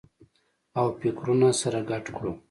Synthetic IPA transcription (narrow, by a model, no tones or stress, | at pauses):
awpɪkɾunasaɾaɡaʈkɽu